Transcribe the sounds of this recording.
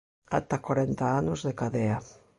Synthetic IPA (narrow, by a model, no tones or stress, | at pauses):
a̰t̪akwaɾent̪aanuzðekaðea